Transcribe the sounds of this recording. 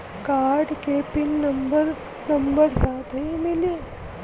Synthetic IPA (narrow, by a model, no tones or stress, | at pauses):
kaɾɖkepinːəmbəɾ | nəmbəɾsat̪ɦimili